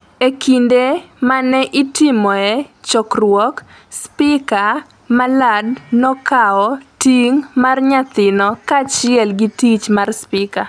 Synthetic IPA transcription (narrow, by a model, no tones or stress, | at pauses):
ekindemanɛʔɪtɪmɔɛt͡ʃɔkrwɔk | spɪka | maladnɔkaɔtiŋmarɲat̪ɪnɔkat͡ʃɪɛlɡitit͡ʃmarspɪka